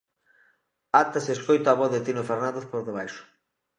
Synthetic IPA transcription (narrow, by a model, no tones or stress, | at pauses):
at̪aseskojt̪aːβoðet̪inofeɾnãnd̪eθpoɾðeβajʃʊ̥